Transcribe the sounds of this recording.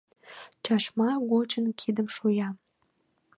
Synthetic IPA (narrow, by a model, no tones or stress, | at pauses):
t͡ɕɑʃmɑɣot͡ɕənkʰid̪əmʃujɑ